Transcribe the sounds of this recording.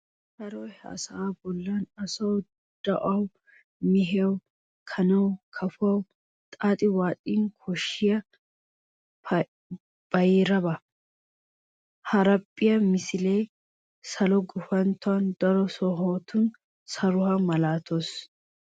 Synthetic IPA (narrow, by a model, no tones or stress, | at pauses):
hɐɾoːɐ̰sɐʔaːbɔlːaːnɐsɐw | d̪̥ɐʔɐw | mɪɦewʊ | kʰɐnɐwkʰɐfɐw | t̪ʼaːt̪ʼɪwaːt̪ʼiːŋkʰɔʃːɪjɐ | b̥ɐjɪːɾɐbɐ | hɐɾɐpʼːɪjɐmɪsɪleː | sɐlɔɡʊfɐnt̪ʊand̪ɐɾɔsɔɦoːt̪uːn | sɐɾʊhɐmɐlaːt̪os